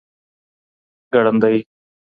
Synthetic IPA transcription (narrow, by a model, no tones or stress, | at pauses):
ɡəɽə̃nd̪əiː